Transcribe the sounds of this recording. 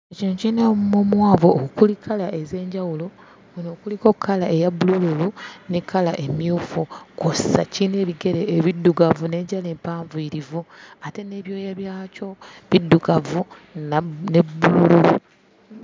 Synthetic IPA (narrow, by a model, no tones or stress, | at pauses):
ecinocinamumomwaːvoːkukulikʰalaʔe̞ze̞ːɲɟawulo̞ | wuno̞ːkulikokʰːalaʔejabulululunikʰalaʔe̞mjuːfukosa̰cine̞ːβiɡe̞ɾeːβidːuɡavune̞ːɲɟale̞ːmpaːɱvuiɾivoate̞ne̞βjo̞ːjaβjaːco̞βidːuɡavu | nnebulululu